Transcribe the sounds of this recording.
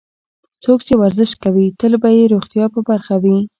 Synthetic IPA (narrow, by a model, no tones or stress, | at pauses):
t͡sokt͡ʃewaɾzɪʃkawit̪əlbajeɾoɣt̪jɑpəbaɾxawi